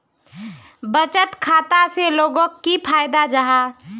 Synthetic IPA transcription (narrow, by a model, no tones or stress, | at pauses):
bət͡ʃət̪kʰaːt̪aseloːɡõkːipʰaːjd̪ad͡ʒaɦaː